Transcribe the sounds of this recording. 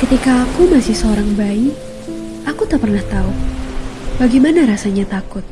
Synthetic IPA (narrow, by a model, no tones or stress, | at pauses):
kət̪ikaːkumasɪhsəoɾaŋbaɪ | ʔakut̪apərnaht̪au | baɡijmanaɾasaɲat̪akʊt̪̚